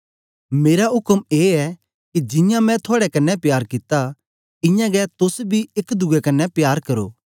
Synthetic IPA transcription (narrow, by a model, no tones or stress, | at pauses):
meːɾaɦʊkəmeːɛ | kid͡ʒɪ̃jãmɛ̃t̪ʰoaːɽɛkɐnːɛpjaːɾkɪt̪a | ɪ̃jãɡɛt̪ʊsbʱiɪkd̪ʊɡɛkɐnːɛpjaːɾkɐɾo̰ː